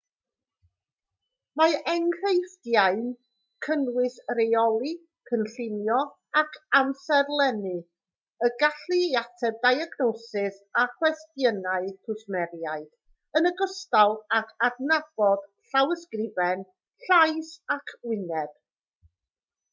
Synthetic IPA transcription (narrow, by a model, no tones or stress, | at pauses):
maɛŋr̥ejfdjaɨn | kʰənwɪsɾejɔlˠi | kʰənɬɪnjɔ | akʰamsɛrlˠɛnɨ | əɡaɬɨjatʰɛb̚dajaɡnɔsɪsaχwɛstjənaɨkʰʊsmɛɾjaɨd̥ | ənəɡɔstalˠakʰadnab̥ɔd̥ɬawəskrɪvɛn | ɬajsakʰwɪnɛb̥